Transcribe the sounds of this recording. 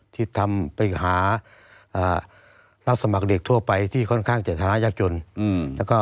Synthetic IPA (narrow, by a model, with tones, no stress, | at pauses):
t̪ʰi˧˩t̪ʰːa˧mpa˨˧jɦaː˨˦ | ʔaː˧˩ | la˧˩sa˧ma˨˦k̚de˨˩k̚t̪ʰu˧ɐpa˨jt̪ʰiː˧˩kʰɔ˧˥˨nkʰaː˥˩˨ŋt͡ɕaː˨˩t̪ʰaː˧na˧˥˨jaː˧˩k̚t͡ɕo˧nlɛː˦˧˥kɔː˧˥˩